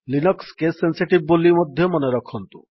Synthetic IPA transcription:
linɔkskesensiʈib̚ːolimɔd̪ʱːjɔmɔneɾɔkʰɔnt̪ṵ

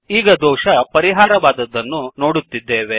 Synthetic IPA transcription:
iːɡɐd̪ɔːʃɐpɐɾiɦaːɾɐʋaːd̪ɐd̪ːɐnːuno̞ːɽut̪ːid̪ːeːʋe̞

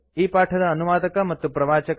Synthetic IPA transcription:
iːpaːʈʰɐd̪ɐːnuʋaːd̪ɐkɐmɐt̪ːjupɾɐʋaːt͡ʃɐk

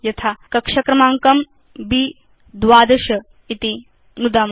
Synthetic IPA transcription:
jɐt̪ʰaːkɐkʂɐkɾɐmaːŋkɐm | biː | d̪ʋaːd̪ɐʃɐ | it̪i | nud̪aːm

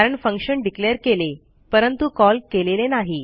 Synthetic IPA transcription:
aɾəɳfə̃ŋkʂəɳɖikleəɾkele | pəɾənt̪ukɔlkelelenaɦi

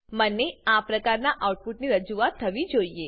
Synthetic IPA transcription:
məneapɾəkaɾnaʔawʈ̚puʈniɾəd͡ʒuat̪ʰːəʋid͡ʒoie

